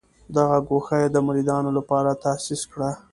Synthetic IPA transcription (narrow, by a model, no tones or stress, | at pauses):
d̪aɣaɡoxajed̪əmaɾid̪ɑnolapɑɾat̪asiskɽa